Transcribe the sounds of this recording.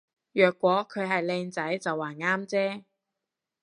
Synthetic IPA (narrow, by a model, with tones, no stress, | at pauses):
jœː˨kːʷɔː˨˥kʰɵ˨˧ɥɦɐ˨jlɛː˧ŋt͡sɐ˨˥jt͡sɐ˨wːaː˨˩nŋaː˥mt͡sɛː˥